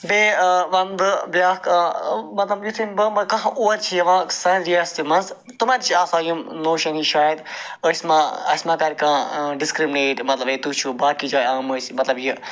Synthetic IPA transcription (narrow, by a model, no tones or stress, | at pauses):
beʋɐnd̪bjaːkːmɐt̪lɐbjut̪ʰimʲbəmɐkɐ̃ɦʔuɐɾt͡ʃʰijɐʋãːsɐɾiɐst̪imɐns | t̪umaɾt͡ʃʰiaːsaːjumnoːʃɐniʃaːjəd̪əsʲmãɐsʲmãːkɐɾkãːɖiskɾimineːʈmɐt̪lɐbẽt̪ut͡ʃʰubaːkid͡ʒaːjaːməsmɐt̪lɐbji